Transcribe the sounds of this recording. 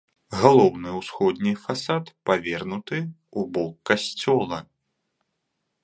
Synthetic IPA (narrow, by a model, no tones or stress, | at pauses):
ɣalˠɔwnɨwsxɔd̪ʲnʲifasat̪pavʲɛrnut̪ɨ | ubɔkːasʲt͡sʲɔlˠɐ